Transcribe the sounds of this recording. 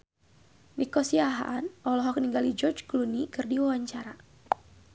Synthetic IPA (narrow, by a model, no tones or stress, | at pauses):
nikɔsiaɦa̰ʔanʔɔlɔɦɔk̚niŋɡalid͡ʒɔrd͡ʒklunikɨrdiwawaɲt͡ʃaɾa